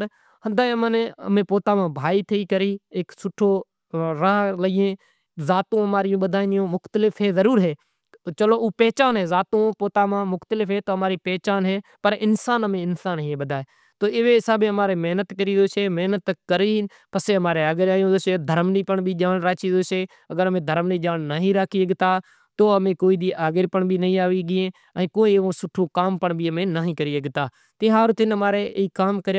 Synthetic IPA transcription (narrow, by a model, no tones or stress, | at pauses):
hənd̪aːməneə̰mẽːpoːt̪aːmãːbʱaːiːt̪ʰəiːkəɾiːɪksʊʈʰoː | ɾaːɦləɡẽː | zaːt̪õːɦəmaːɾijõːɓəd̪ʱaːĩnɪjõːmʊxt̪lɪfɦeːzəɾuːɾɦeː | t͡ʃəloːʔuːpɛːt͡ʃaːnɦeːzaːt̪õːpoːt̪aːmãːmʊxt̪əlɪfɦeːt̪oːɦəmaːɾiːpɛːt͡ʃaːnɦeːpəɾɪnsaːnəmẽːɪnsaːnɦiːẽːɓəd̪ʱaːeː | t̪oːɪʋeːɪsaːbeːəmaːɾeːmeɦnət̪kəɾiːd̪oːseːmeɦnət̪kəɾiː | pəseːəmaːɾeːəːɡəɾaːjõːd̪oːseːd̪ʱəɾmliːpəɳbiːd͡ʒaːnɾaːt͡ʃiːd̪oːseː | əɡəɾəmẽːd̪ʱəɾmniːd͡ʒaːnnaːɦĩːɾaːkʰiːəɡt̪aː | t̪oːəmẽːkoːiːd̪iːʔaːɡɪɾpəɳbʱiːnəɦĩːaːʋiːɡɪẽː | ɛ̃ːkoːiːʋõːsʊʈʰoːkaːmpəɳbʱiːəmẽːnaːɦĩːkəɾiːəɡt̪aː | t̪ɪːɦaːɾʊt̪ʰɪnəmaːɾeːiːkaːmkəɾj